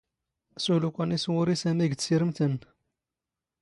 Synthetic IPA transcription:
sulukʷæniswʊɾisæmiɡ̪siɾəmt̪ən

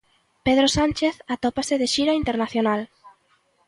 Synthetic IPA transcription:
peðɾosanʲt͡ʃeθat̪opasɪðɪʃiɾaint̪eɾnaθjonal

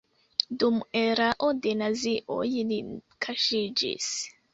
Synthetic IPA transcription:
dumuɛɾaʔɔdɛnaziʔɔ̰jini | kʰaʃid͡ʒḭs

